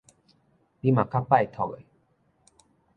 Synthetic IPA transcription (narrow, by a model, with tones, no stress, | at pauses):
pima˨kʰa˦pajt̪ʰɔɣə̰˨j